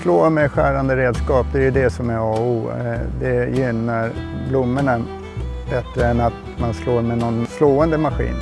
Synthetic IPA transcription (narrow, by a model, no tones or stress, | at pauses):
sloːɾmɛɧæːɾand̪əɾeːd̪skɑːp̚d̪ɛjɵd̪ɛsɔmɛɾɑːuːd̪ɛjʏnːaɾblʊmːəɳa | bɛt̪ːɾəɛnat̪ | mansloːɾmɛnɔnsloːɛnd̪əmaɧḭːn